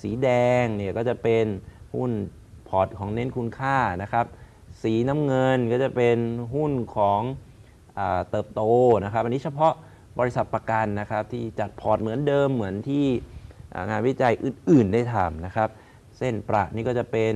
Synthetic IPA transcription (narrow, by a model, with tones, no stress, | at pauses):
siː˨˩˦dɛː˧ŋni˥˩əkɔː˥˩t͡ɕa˨˩pe˧nhu˥˩n | pʰɔː˨˩t̪̚kʰɔː˩˦ŋne˦˥nkʰu˧nkʰaː˥˩na˦˥kʰɾa˦˥p̚ | siː˩˦na˦˥mŋɤ˧nkɔː˥˩t͡ɕa˨˩pe˧nɦu˥˩nkʰɔː˩˦ŋ | ʔaː˨˩t̪ɤː˨˩p̚t̪oː˧na˦˥kʰa˦˥p̚ʔa˧niː˦˥t͡ɕʰpʰɔ˦˥ʔ | bɔː˧ɾi˥sa˨˩t̪̚pɾa˧ka˧nːa˦˥kʰɾa˦˥p̚t̪ʰiː˥˩t͡ɕa˨˩t̪̚pʰɔː˨˩t̪̚mɯ˩˦əndɤː˧mːɯ˩˦ənt̪ʰiː˥˩ʔa̰ː˨˩ŋaː˧nwi˦˥t͡ɕa˧jʔɯː˨˩nʔɯː˨˩nda˥˩jt̪ʰa˧˩mna˦˥kʰɾa˦˥p̚ | se˥˩npɾa̰˨˩ʔniː˥˩kɔ˥˩t͡ɕa˨˩pe˧n